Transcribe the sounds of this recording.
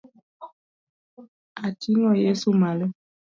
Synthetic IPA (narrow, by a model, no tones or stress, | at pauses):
atinɔjesumalə